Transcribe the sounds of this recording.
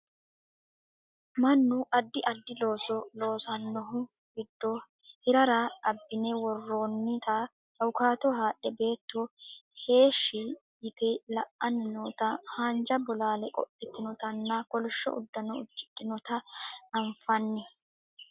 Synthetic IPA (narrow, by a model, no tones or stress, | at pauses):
mɐnːʊʔɐd̪ːɪʔɐd̪ːɪlo̞ːsɔlo̞ːsɐnːɔɦʊ | ɡɪd̪ːɔ | hɪɾɐɾaʔɐbːɪnɛwɔrːoːnːɪt̪ɐ | ɐwʊkaːt̪ɔɦaːʔːɛbe̞ːt̪ːɔhe̞ːʃːɪ | jɪt̪ɛlɐʔɐnnɔt̪ɐhaːnd͡ʒɐbɔlaːlɛkʼɔ̰ʔɪt̪ːɪnɔt̪ɐnːakɔlɔʃːɔ̰ʔʊ̰d̪ːɐnɔʊ̰d̪ːɪt̪ʼːɪnɔt̪ɐːɱfɐnːɛ